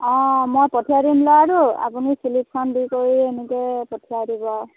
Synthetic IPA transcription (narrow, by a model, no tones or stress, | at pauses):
ɔ̃mojpɔtʰijaɾimlɔaɹua̰punisilik̚sʰɔndikoɹienikejpɔtʰijaɾibɔ